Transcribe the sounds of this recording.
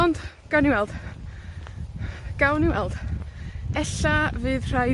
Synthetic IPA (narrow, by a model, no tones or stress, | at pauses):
ɔnd | ɡ̥awniwɛlˠd̥ | ɡ̥awniwɛ̰lˠd̥ | ɛɬavɨːðr̥aj